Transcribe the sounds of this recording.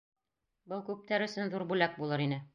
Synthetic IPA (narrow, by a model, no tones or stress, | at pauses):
bɤlˠkʉp̚t̪æɾɵ̆sɵnðuɾbulæk̚bulˠɤɾinɘ